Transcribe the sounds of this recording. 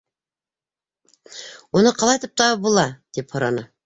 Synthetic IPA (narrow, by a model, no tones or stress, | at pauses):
onɨqʰɑlˠɑjt̪ʰɨp̚t̪ʰɑbolˠɑd̪̥ephoɾɑnɨ